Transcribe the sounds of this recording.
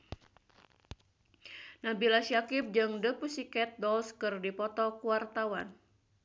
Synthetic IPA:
nabilasiakɪp̚d͡ʒɨŋdəpusikɛt̪̚dɔlskɨrdipɔt̪ɔkuwart̪awan

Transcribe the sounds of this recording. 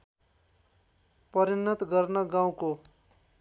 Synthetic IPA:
pʌɾinːʌt̪ɡʌrnʌɡãw̃ko

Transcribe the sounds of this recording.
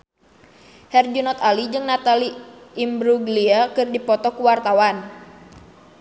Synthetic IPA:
hɛrd͡ʒunɔt̪alid͡ʒɨŋnat̪aliːmbɾuɡliakɨrdipɔt̪ɔkuwart̪awan

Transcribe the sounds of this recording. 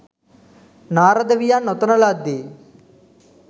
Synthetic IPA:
naːɾɐd̪ɐʋijaːnɔt̪ɐnɐlaːd̪i

